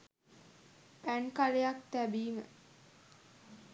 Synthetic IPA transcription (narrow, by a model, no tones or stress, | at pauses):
pænkalejak̚t̪æbiːmə̰